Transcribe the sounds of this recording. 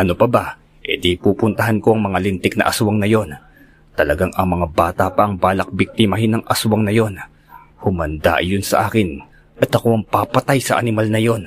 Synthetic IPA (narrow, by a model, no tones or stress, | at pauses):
ʔɐno̞pɐba | ʔɛd̪ipuːpʊnt̪ɐɦanko̞ʔɐŋmɐŋalɪnt̪ɪk̚nɐ̰ʔɐswɐŋnɐjo̞n | t̪ɐlɐɡaŋɐŋmɐŋabaːt̪apɐʔɐŋbaːlɐk̚bɪk̚t̪ɪmaɦɪnɐŋʔɐswɐŋnɐjo̞n | hʊmɐnd̪a̰ʔjonsɐʔaːkɪn | ʔɐt̪ɐko̞ʔɐŋpapɐt̪ajsɐ̰ʔɐ̰nɪmalnɐjo̞n